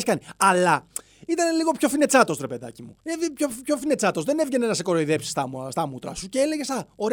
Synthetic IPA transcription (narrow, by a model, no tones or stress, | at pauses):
skɐniɐlɐ | it̪ɐneliɣo̞pço̞fine̞t͡sɐt̪ot̪oɾepe̞ðɐ̰cimṵevipçoço̞fine̞t͡sɐt̪o̞zðene̞vʝe̞nenɐse̞ko̞ɾoiðe̞psi̥st̪ɐst̪ɐmut̪ɾɐ̰suceele̞ʝest̪ɐoɾ